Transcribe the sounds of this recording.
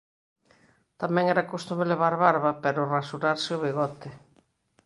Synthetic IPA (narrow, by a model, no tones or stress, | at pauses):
t̪amɛ̃ŋɛɾakost̪umeleβ̞aɾβaɾβapeɾʊrasuɾaɾsɪʊβiɣɔt̪ɪ